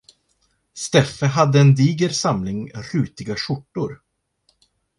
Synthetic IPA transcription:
st̪ɛfəɦad̪ːəɛnd̪iːɡəɾsamlɪŋɾʉːt̪ɪɡaɕʊʈːʊɾ

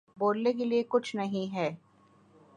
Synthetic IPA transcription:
boːlnekeliekʊt͡ʃʰnɐɦĩɦɛː

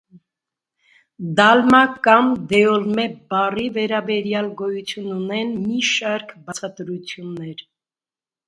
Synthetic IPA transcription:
d̪ɑlmɑkɑmd̪ɛɔlmɛbɑrivɛɾɑbɛɾjɑlɡɔjut͡sʰjununɛnmiʃɑɾkʰbɑt͡sʰɑt̪ɾut͡sʰjunːɛɾ

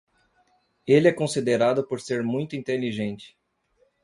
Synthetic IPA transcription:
elɪɛkõsid̪eɾad̪ʊpoɾseɾmũj̃t̪ʊĩnt̪eliʒẽnt͡ʃɪ̥

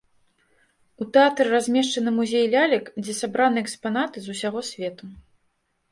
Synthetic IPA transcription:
ut̪ɛat̪ɾɨrazʲmʲɛʂt͡ʂɐnɨmuzʲejlʲalʲikd͡zʲɛsabɾanɨɛkspanat̪ɨzusʲaɣɔsʲvʲɛt̪u

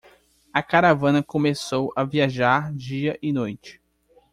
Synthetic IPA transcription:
ɐkaɾavɐ̃nɐkõmesowɐviaʒaɾd͡ʒiɐʔɪnojt͡ʃɪ̥

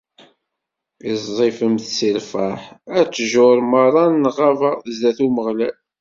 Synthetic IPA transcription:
izzˤefəmθsilfæħæt͡sːʒʊɾˤməɾˤɑnːʁavazðæθuməʁlæl

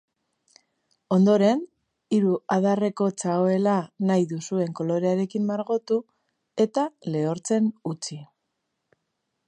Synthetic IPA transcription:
o̞nd̪o̞ɾe̞n | iɾuaðare̞ko̞t͡saoe̞lanajðusue̞ŋko̞lo̞ɾe̞aɾe̞kimmaɾɣo̞t̪u | e̞t̪ale̞oɾt͡se̞nut͡si

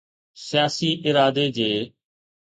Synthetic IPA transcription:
sɪjaːsiːʔɪɾaːd̪eːd͡ʑeː

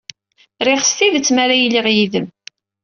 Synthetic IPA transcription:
ɾeχəst̪iðət͡sːmaɾæjlːiʁjiðəm

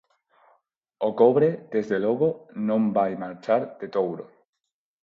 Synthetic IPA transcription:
okoβɾed̪̥ezðeloɣonõmbajmaɾt͡ʃaɾd̪̥et̪owɾo

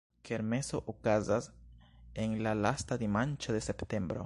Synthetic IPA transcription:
ke̞ɾme̞so̞ʔokazas | enlalastad̪imant͡ʃode̞se̞pte̞mbɾo̞̰

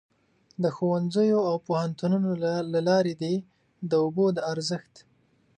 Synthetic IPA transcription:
d̪əxowanzəjoawpohant̪ununolalɑɾed̪e | d̪əobod̪əaɾzəxt̪

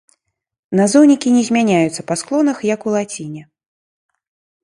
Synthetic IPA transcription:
nazɔwnʲikʲinʲɛzʲmʲanʲajut̪sːɐpasklˠɔnɐxjɐkulˠat͡sʲinʲɛ

